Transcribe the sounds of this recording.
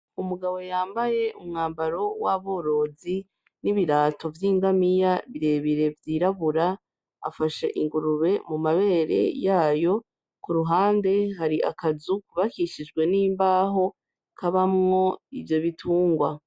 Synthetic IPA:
umuɡaβo̞jaːmbaje̞ʔumŋaːmbaɾo̞waβo̞ːɾo̞ːzi | niβiɾaːtʰo̞vjiːŋɡamijaβiɾe̞ːβiɾe̞vjiːɾaβuɾa | a̰faʃe̞̰ʔiŋɡuɾuβe̞mumaβe̞ːɾe̞̰jaːjo̞ | kuɾuɦaːnde̞ɦaɾiʔa̰kazukuβakiʃid͡ʒɡwe̞niːmbaːɦo̞ | kaβamŋo̞ivjo̞βitʰuːŋɡwa

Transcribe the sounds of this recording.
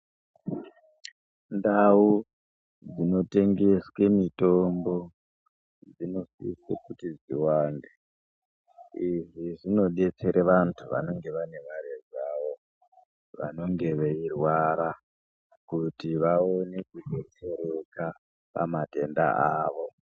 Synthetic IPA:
ndau | d͡zino̞te̞ŋɡe̞swe̞mito̞mbo̞ | d͡zino̞sḭsḛkutid͡zḭwaːnde | iʐiʐino̞ɗe̞t͡se̞ɾʔeʋantʰuʋa̰no̞ŋɡe̞ʋane̞ʋaɾezaːʋo̞ | ʋa̰no̞ŋɡe̞ʋeirwaɾa | kutiʋao̞ne̞kuɡʱot͡se̞ɾeka | pa̰mate̞nda̰aːʋo̞

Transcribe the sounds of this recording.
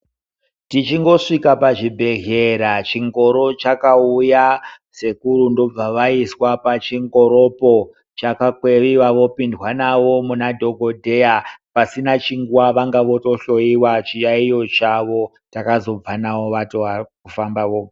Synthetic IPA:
tit͡ʃiŋɡo̞ʂikapaʐibʱe̞ɦeɾat͡ʃiŋɡo̞ɾo̞t͡ʃakauja | se̞kuɾundo̞b͡vaʋaiswapat͡ʃiŋɡo̞ɾopo̞ | t͡ʃakakweʋiʋaʋo̞pindwanaʋo̞munadʱo̞ɡʱo̞dʱe̞japasinat͡ʃiŋɡuwaʋaŋɡaʋo̞to̞ɬo̞iwat͡ʃijaijo̞t͡ʃaʋo̞ | takazo̞b͡vanaʋo̞ʋatoʋakufambaʋo

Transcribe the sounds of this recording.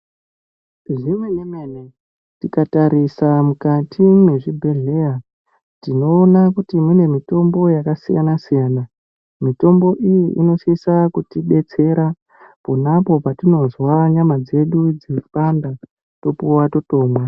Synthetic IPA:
ʐimwenemeːne | tikataɾisamukatʰime̞ʐibʱe̞ɮe̞a | tino̞ːnakutimune̞mito̞mbo̞jakasija̰nasijaːna | mito̞mbo̞ʔijiʔḭno̞ʃisakutiɓe̞t͡se̞ɾa | ponapo̞patino̞zwaɲamad͡ze̞ɗud͡zifanda | to̞puwato̞to̞ːmwa

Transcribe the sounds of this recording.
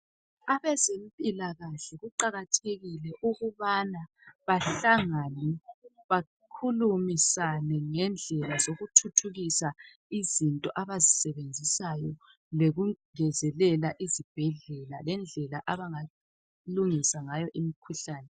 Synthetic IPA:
aβɛzem̩pʼilaɣaɬɛɣuǃaɣatʰeɣilɛʔuɣuβana | βaɬaŋanɛ | βa | kʰulumisanɛŋɛnd͡ɮʱɛlazoɣutʰutʰuɣisa | izintʼɔʔaβazisɛβend͡zʱisajɔ | leɣuŋɛzɛlɛlaʔizib̥ʱɛɮɛlalɛnd͡ɮʱɛlaʔaβaŋa | luŋisaŋajɔʔimikʰuɬaːnɛ

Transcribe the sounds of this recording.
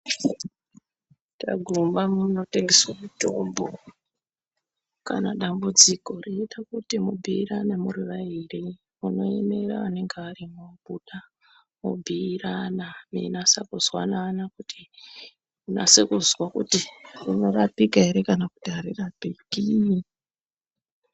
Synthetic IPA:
ta̰ɡʱumbamuno̞te̞ŋɡeswamuto̞mbʱo̞ | ka̰na̰ɗambud͡ziko̞riitakutimubʱiːranamuriʋairi | uno̞ḛme̞ɾa̰ane̞ŋɡearimobuɗa | mubʱiːranamḭnasakuzwa̰nanakuti | una̰sekuzwakṵtirino̞rapikaeɾekanaku̥taɾirabʱikini

